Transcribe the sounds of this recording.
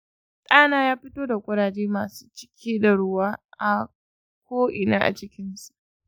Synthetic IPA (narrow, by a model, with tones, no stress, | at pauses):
tʼaː˦naː˦jaː˦ɸɪ˦toː˦da˨kʷʼʊ˦ɽaː˨d͡ʒeː˦maː˨su̥ː˦t͡ʃɪ̥˦kʲʰiː˦da˨ɽʊ˦waː˦ʔa˨ | kʷʰoː˦ʔɪ˨na̰ː˦ʔa̰˨t͡ʃɪ˦kʲɪ˦nsu˦˨ʔ